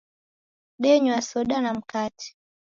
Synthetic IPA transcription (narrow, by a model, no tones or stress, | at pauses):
ɗɛɲwasɔɗanam̩katʰi̥